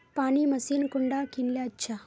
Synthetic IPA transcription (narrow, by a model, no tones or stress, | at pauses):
paːniːmɐsiːnkuɳɖaːkinljaːtːt͡ʃʰa